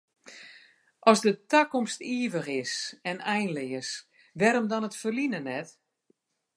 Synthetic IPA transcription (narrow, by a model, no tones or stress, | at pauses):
ʔɔsdətakɔmstiəvəχɪsɛnɛjnlɪjəs | ʋɛɾɔmdɔnətfərlinənɛt